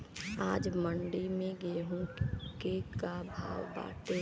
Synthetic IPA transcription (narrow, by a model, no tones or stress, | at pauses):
aːd͡ʒməɳɖimẽɡeːɦũkekabʱa̰ːʋba̰ːʈe